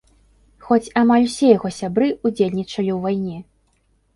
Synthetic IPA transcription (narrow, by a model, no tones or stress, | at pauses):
xɔt͡sʲamalʲwsʲɛjaɣɔsʲabɾɨud͡zʲelʲnʲit͡ʂɐlʲiwvajnʲɛ